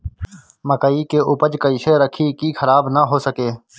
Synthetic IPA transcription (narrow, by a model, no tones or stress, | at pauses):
məkəiːkeːʔʊpəd͡ʒkəiːseːɾəkʰiːkiːxʰəɾaːbnəɦoːsəkeː